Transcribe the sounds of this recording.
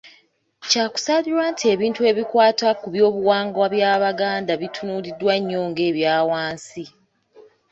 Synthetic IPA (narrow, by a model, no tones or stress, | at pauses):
caːku̥saliɾwaːntʰie̞ːβiːntue̞βikwaːtakuβjo̞ːβuwaːŋɡwaβjaːβaɡaːndaβitʰunuːɾidwaɲːoːŋɡe̞ːβjaːwaːnsi